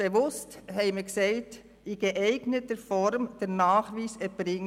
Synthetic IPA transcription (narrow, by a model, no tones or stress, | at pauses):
eʋʊsthɛɪmɪksɛɪt | ɪɡ̥eʔɛɪɡnətəfɔɾmd̥ɛɾnaːχʋiːsɛbɾɪŋ